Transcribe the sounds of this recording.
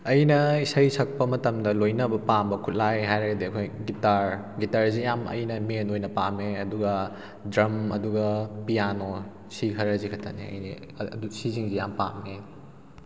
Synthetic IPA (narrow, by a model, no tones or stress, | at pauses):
ɐjnɐisɐjsɐk̚pɐmɐtɐmdɐlojnɐbɐpambɐkʰut̚lajɦajɾɐɡɐdiɐkʰojɡitaɾ | ɡitaɾzijamɐ̰jnɐmenojnɐpameɐduɡɐ | dɾɐmɐduɡɐpijano | sikʰɐɾɐzikʰɐtʰaneɐ̰jnḭ | dusisiŋzijampa̰me